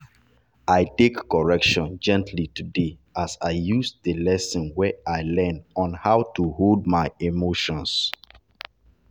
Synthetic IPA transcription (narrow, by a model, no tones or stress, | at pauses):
aɪtekːɔɹɛkʃɔ̃nd͡ʒɛ̃ntʰlitudeasaɪjusðəlɛsɔ̃nwɛʔaɪlɛ̃nɔ̃nhaʊtuhold̚maɪemoʃɔ̃ns